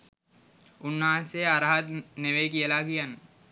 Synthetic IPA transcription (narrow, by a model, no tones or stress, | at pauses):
unːaːseaɾɦɐt̪neʋekijəlaːkianːə